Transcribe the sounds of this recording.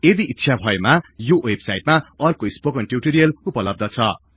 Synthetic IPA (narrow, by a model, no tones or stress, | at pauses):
ed̪iʔit̪ːsʰabʱʌemajowebsajʈ̚maʌrkoispokʌnʈjuʈoɾijʌlupʌlʌb̚d̪ʱʌt͡sʰʌ